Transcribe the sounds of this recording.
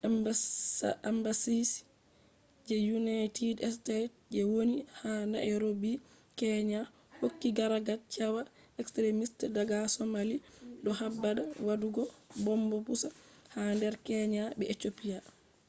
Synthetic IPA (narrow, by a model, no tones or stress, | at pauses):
ambasis | d͡ʒɛjunajtidɛstatd͡ʒɛwonihanaʔɛɾobi | kɛɲa | hokːiɡaɾaɡat͡ʃawaɛkstɾemistdaɡasɔmaliɗɔɦabːadawaduɡɔbɔmbɔpusahandɛɾkɛɲabɛetopija